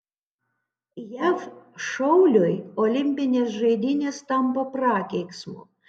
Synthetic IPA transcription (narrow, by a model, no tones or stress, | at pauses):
jæfʃɔʊlʲojɔlʲɪmʲpʲɪnʲeːsʒɐɪd̪ʲɪnʲeːst̪ɐmpɐpɾɑːkʲɛɪksmʊ̰